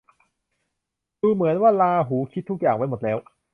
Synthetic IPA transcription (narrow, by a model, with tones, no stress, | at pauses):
duː˧mɯ˩˦ənwaː˥˩laː˧ɦuː˩˦kʰi˦˥t̪ːʰu˦˥k̚jaː˨˩ŋwa˦˥jmo˨˩t̪̚lɛː˦˥w